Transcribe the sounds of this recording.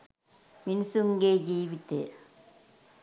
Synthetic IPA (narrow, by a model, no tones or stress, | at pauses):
mɪnsuŋɡeːd͡ʒiːʋit̪ːe